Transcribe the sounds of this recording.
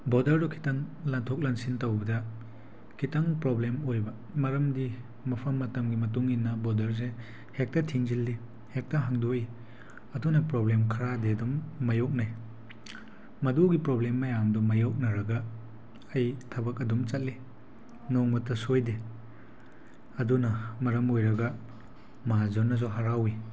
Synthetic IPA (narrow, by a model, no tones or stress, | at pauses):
bɔdɐɾdɔkʰi̥taŋlantʰok̚lansintɐwbɐdɐ | kʰitaŋpɾoblemojbɐ | mɐɾɐmdi | mɐpʰɐmːɐtɐmɡimɐt̬uŋinːɐbɔdɐɾs̬e | hek̚tɐtʰiŋzilːi | hek̚tɐɦaŋdoi | ɐtunɐpɾoblemkʰɐɾadeɐdumːɐjowk̚naj | mɐdoɡipɾoblemːɐjamdɔmɐjowk̚nɐɾɐɡɐː | jtʰɐbɐk̬ɐdumt͡ʃɐt̚li | nɔŋmɐtʰːɐsojde | ɐdunɐmɐɾɐmojɾɐɡɐ | mɐɦazɔnːɐs̬ɔɦaɾawi